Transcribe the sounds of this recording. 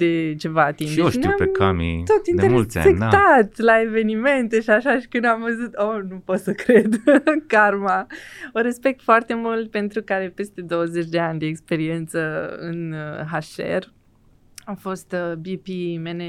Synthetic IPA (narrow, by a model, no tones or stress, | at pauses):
d̪e̞t͡ʃe̞vaːt̪inoʃt̪ḭapekʰamḭt̪ot̪ineeult̪sʲa̰ek̪at̪at̪ʲlae̞ve̞nime̞nt̪e̞ʃiaʃaʃi̥kɨnd̪amvəzut̪onupo̞t̪səkɾed̪karmaoɾespe̞k̚t̪foart̪e̞mult̪̚pe̞nt̪ɾukaɾe̞pe̞st̪e̞d̪o̞wəze̞t͡ʃʲd̪e̞anʲd̪e̞ːkspe̞ɾie̞nt̪səɨ̰nɦaʃe̞̰r | afo̞st̪bipimene